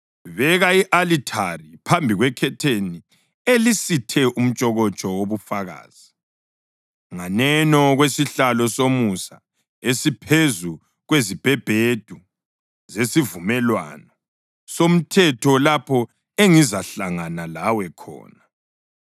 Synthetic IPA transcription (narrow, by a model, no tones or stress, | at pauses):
βɛɣaiʔalitʰaripʰambʱiɣwɛkʰɛtʰeni | elisitʰɛʔum̩t͡ʃʼɔɣɔt͡ʃʼɔwoβufaɣa̰ːz̥i | ŋanɛnɔɣwesiɬalɔsomusa̰ | esipʰezu | ɣwezib̥ʱɛb̥ʱed̥ʱu | zesivumɛlwa̰nɔ | som̩tʰɛtʰɔlapʰɔ | eŋizaɬaŋanalawɛkʰɔ̰ːna